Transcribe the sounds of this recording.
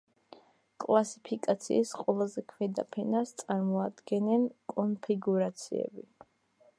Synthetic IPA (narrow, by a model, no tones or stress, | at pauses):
kʼlˠasipʰikʼat̪sʰḭːsqʼwɛlˠazɛkʰwɛd̪apʰɛnast̪sʼaɾmɔad̪ɡɛnɛnkʼɔnpʰiɡuɾat̪sʰiɛ̰bi